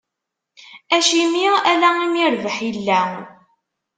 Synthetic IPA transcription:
æʃimiælæimiɾvəħilːæ

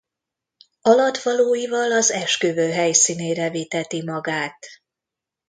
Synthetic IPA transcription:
ɒlɒt̪ʋɒloːjivɒlɒzɛʃkøːvøːɦɛjsiːneːɾɛviːt̪ɛt̪imɒɡaːt̪

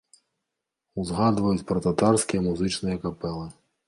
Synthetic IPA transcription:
uzɣad̪vɐjut͡sʲpɾɐt̪at̪arsʲkʲijɐmuzɨt͡ʃnɨjɐkapɛlˠɨ

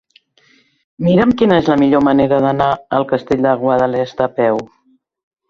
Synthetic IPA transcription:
miɾəmkinəezləmiʎoməneɾəðənaəlˠkəst̪eʎʲd̪əɣwəðəlɛst̪əpɛw

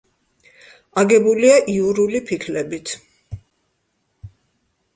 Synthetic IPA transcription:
aɡɛbuliaʔiuɾulipʰikʰlɛbit̪ʰ

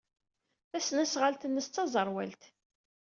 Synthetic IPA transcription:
θæsnæsʁalt̪ənːəst͡s̪ːɑzˤəɾˤwælt̪

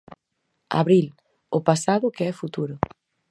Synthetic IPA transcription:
a̰βɾil | ʊpasaðʊkeɛfut̪uɾʊ

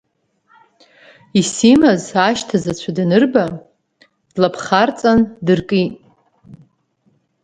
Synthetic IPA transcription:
isimazaʃtʰazat͡ɕʷʰadnɨrba | dlapʰχart͡sʼandɨrkʼitʼ

